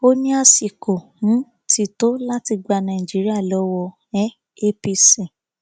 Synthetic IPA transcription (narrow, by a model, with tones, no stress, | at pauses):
o˦nĩ˦a˦˧si˨ko˨h̩˨˦ | ti˦˧˨to˦la˦ti˧ɡ͡ba˧nã˨i˨d͡ʒi˨˦ɾi˦a˦˨lɔ˨˦wɔ˧ | ɛ˦ | e˦pi˧sɛ̃˨